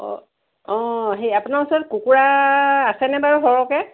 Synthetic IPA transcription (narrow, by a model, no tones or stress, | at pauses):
ɔ̰ | ɔ̃ɦejapunaɹusɔɹɔt̚kukuɹaːsɛnɛbaɹuɦɔɹɔkɛ